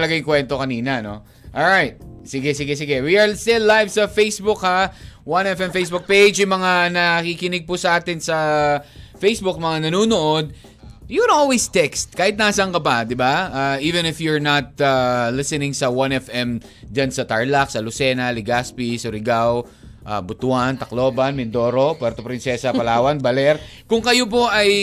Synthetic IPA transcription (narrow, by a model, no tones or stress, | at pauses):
lɐɡajŋkwɛnt̪okɐniːnɐno̞ | ʔolɹajt̪̚sɪɡɛsɪɡɛsɪɡɛwiɐɹst̪ɪlːajvsɐfejsbʊkhawanɛfɛmfejsbʊk̚pejd͡ʒjʊmɐŋanɐkiːkɪnɪɡ̚pʊsɐʔaːt̪ɪnsɐ | fejsbʊk̚mɐŋanɐnuːnoʔod̪̚ | jʊkɛnolwist̪ɛkst̪̚kaːhɪt̪̚naːsɐɐŋkɐpɐd̪ɪbaaʔiːvɛ̃nɪfjʊɹnɐt̪̚alɪsɛnɪ̃ŋsɐwanɛfʔɛm | d͡ʒansɐt̪aɹlak̚sɐlʊsɛːnɐlɪɡaspisʊɾɪɡaw | ʔabʊt̪ʊant̪ɐkloːbɐnmɪnd̪o̞ːɾo̞pwɛɾt̪opɾɪnsɛsɐpɐlaːwɐnbɐlɛɾ | kʊŋkɐjop̬o̞ʔɐj